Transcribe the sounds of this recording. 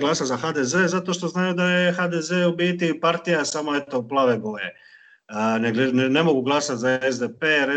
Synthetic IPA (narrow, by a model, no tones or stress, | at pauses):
ɡlasazaxaːd̪eze̞ːzat̪o̞ʃt̪o̞znaːjud̪ajexad̪ezeobiːt̪ipaɾt̪ijasamo̞et̪o̞plˠaʋebo̞je | neɡlenne̞mo̞ɡuɡlˠasat̪zaezd̪epeɾe